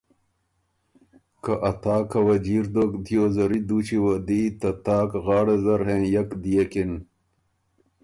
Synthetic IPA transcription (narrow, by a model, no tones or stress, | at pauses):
kɐʔɐt̪aːkʰɐwɐd͡ʑiːɾd̪okd̪ijoːzɐɾid̪uːt͡ɕiwɐd̪it̪ɐt̪aːkɣɑːɽezɐɾɦẽːjɐkd̪ijekin